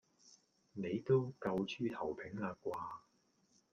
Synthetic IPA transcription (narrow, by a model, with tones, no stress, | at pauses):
ne˨˧jt̪o˥wkɐ˧wt͡ʃʰyː˥t̪ʰɐ˨˩wpʰɪ˨˥ŋaː˧kʷaː˧